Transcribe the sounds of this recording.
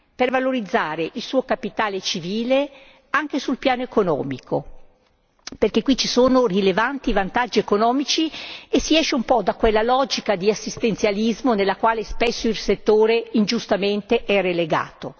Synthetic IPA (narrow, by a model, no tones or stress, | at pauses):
pervaloɾid̪zːaːɾeʔilsuːokapit̪aːlet͡ʃiviːle | aŋk̟esulpjaːnoekonɔ̰ːmikʰo | perkekːwit͡ʃisoːnorilevant̪ivant̪ad͡ʒːiekonɔːmit͡ʃiesiɛʃeumpɔd̪akwelːalɔd͡ʒikad̪iasːist̪ent̪sjalizmonelːakwaːlespesːoilset̪ːoːɾeind͡ʒust̪ament̪eʔɛreleɡa̰ːt̪o